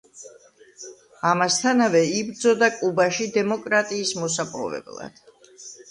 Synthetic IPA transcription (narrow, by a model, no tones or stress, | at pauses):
amast̪ʰanavɛibɾd̪zɔd̪akʼubaʃid̪ɛmɔkʼɾat̪ʼiːsmɔs̬apʼɔ̰vɛ̰blˠa̰d̪̥